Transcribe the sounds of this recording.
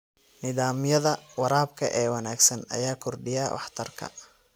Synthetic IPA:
nɪðaːmjɐðɐwɑɾaːbkʰɐʔɛːwɑnaːɡsɐnɐ̰jaːkʰɔrɖɪjaːwʔɑ̰ħt̪ʰɐrkʰɐ̰

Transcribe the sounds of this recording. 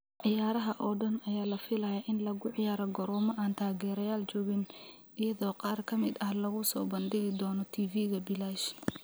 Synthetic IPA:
ʕɪjaːɾɐɦɐʔɔːɖɐnɐjaːlɐfɪlɐjaʔɪnlɐɣʊʕɪjaːɾɐɡɔɾɔːmɔʔaːnt̪ʰaːɣɛːɾɐjaːlt͡ʃɔːɣɪn | ɪjɐðɔːqɑːrkʰɐmɪd̪ɐhlɐɣʊsɔ̰ːbɐnd̪ɪɣɪd̪ɔːnɔt̪ʰiːviːɣɐbɪlaːʃ

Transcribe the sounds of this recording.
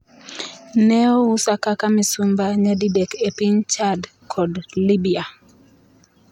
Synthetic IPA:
nɛɔusakakamisumbaɲadidɛkepint͡ʃad | kʰɔdlibia

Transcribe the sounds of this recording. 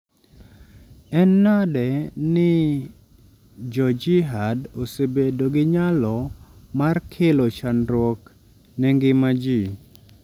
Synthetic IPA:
ɛnːadɛnɪ | d͡ʒɔd͡ʒiɦadosebedoɡɪɲalɔmarkʰelot͡ʃanɾwɔk | nɛŋɡɪmad͡ʒi

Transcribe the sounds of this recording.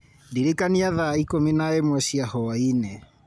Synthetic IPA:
ndiɾekaniaðaikominaemwɛsiahɔainɛ

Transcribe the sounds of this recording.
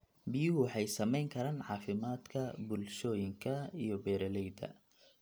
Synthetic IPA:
bɪjʊwɑħɑjsɐmɛjŋkʰɐɾaːnʕɑːfɪmaːd̪kʰɐbʊlʃɔːjɪŋkʰɐijɞbɛːɾɐlɛjd̪ɐ̰

